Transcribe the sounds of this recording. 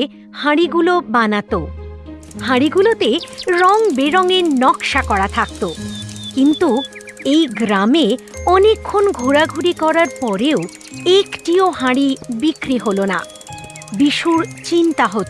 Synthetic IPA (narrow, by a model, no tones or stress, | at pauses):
haɽiɡulobanat̪o | haɾiɡulot̪eɾɔŋbeɾɔŋenɔkʃakɔɾat̪ʰak̚t̪okint̪u | ejɡɾameɔnekʰːonɡʱuɾaɡʱuɾikɔɾaɾpɔɾeo | ekʈioɦaɽibikɾiɦolona̰ | biʃuɾt͡ɕint̪aɦot̪